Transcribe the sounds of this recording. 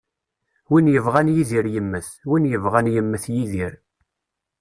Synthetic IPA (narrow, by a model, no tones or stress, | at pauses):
winjəvʁænjiðiɾjəmːəθwinjəvʁænjəmːəθjiðiɾ